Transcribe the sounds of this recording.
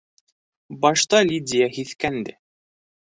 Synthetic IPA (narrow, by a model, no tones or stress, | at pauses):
bɑʃt̪ɑlʲidʲɪjahiθkænd̪ɘ̰